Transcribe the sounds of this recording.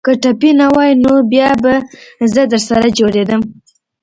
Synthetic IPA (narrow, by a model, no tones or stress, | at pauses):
kəʈapinawɑjnobjɑbazəd̪əɾsaɾad͡ʒoɽed̪əm